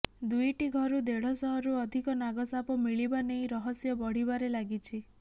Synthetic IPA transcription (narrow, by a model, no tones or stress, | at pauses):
d̪ujʈiɡʱɔɾud̪eɽ̤ɔsɔɦɔɾuɔd̪ʱikɔnaɡɔsapɔmiɭibanejɾɔɦɔsjɔbɔɽ̤ibaɾelaɡit͡ʃʰi